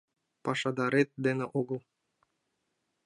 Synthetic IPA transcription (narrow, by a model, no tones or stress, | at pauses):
pɑʃɑd̪ɑɾet̪̚d̪enĕʔoɡɤ̆lˠ